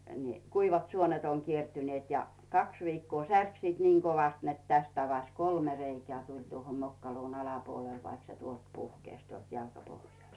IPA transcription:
ni kuiʋɑt suonet oŋ kiertyneːt jɑ kɑks ʋiːkːoː særk siːt niːŋ koʋɑst net tæst ɑʋɑs kolme reikĕæˑ tulʲ tuoho mokːɑluːn ɑlɑpuol ʋɑik se tuolt puhkeˑsʲ tuolt jɑlkɑpohjɑˑst

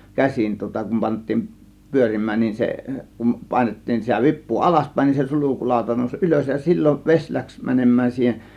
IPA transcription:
kæsin tŭŏtɑ kum pɑntˑiːn pyørimˑæːn nin se kum pɑˑe̝nettiːn sitæ ʋipˑuː ɑlɑspæˑe̝n nin se sulukulɑˑo̝tɑ noˑusʲ ʔyløs jɑ silʲːoʋ ʋesʲ læks mænemˑæːn siːhen

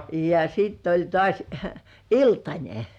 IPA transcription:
jɑ sitː olʲ tŏɑˑs iltɑnʲe

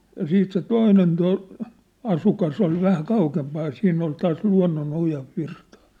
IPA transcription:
jɑ siːt se toinen to ɑsukɑs ol ʋæhæ kɑukempɑːj jɑ siːnː ol tɑːs luɑ̝nːonojɑ ʋirtɑ̥ː

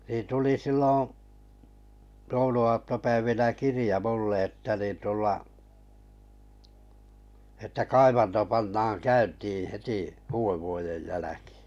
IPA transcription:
niːn tuli silːõː jouluɑːtːopæiʋinæ kirĭjɑ mulː eˑtːɑ nin tulːɑ etːæ kɑiʋɑnto pɑnːɑːŋ kæyntiː heti uːeʋːuojej jælæki̥ː

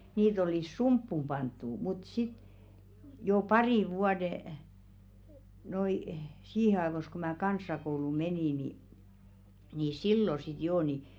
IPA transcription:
niːt oliˑs sumpːum pɑntːu mut sit joˑ pɑriˑʋ̆ ʋuɑde noi siːhe ɑeʋos ko mæː kɑnsˑɑkouluˑ meniˑ ni ni silːo sit joː ni

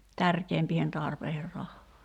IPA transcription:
tærkeːmpiːhen tɑrpeiher rɑhːɑː

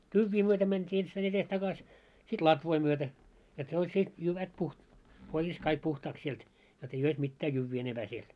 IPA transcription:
tyʋːiː myøtæ mæntʲiː enstæin etes tɑkɑs sit lɑtʋoi myøtæ et ne olʲ se jyʋæt puh korjɑs kɑik puhtɑːks sielt jot ei ois mitːæː jyʋːiː enemb̥æː siel

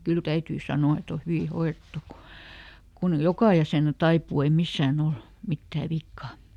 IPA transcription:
kyl tæytyː sɑnoɑ et o hyʋi hoiretːu ku kun jokɑˑ jæseˑnæ tɑipuː ei misːæːn ol mitːæː ʋikːɑ

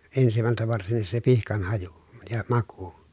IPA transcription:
ensimæltæ ʋɑrsinːis se pihkɑn hɑju jɑ mɑku

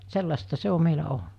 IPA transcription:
selːɑstɑ se o meilæ olnɑ

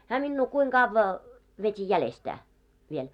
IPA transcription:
hæː minːuː kuiŋ ɡ̊ɑʋːɑ ʋetʲi jælestæː ʋiel

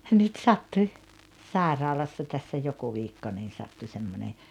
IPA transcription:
nyt sɑtːuĭ sɑˑerɑːlɑsːɑ tæsːæ joku ʋiːkːo niːn̞ sɑtːu semːone

